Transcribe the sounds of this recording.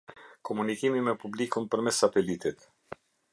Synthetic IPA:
kɔmunikimimɛpublikunpəɾmɛsat̪ɛlit̪it̪

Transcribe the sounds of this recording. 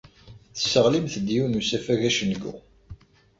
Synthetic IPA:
θə̥səʁlimθd̪ijunusæfæʝæʃənɡṵ

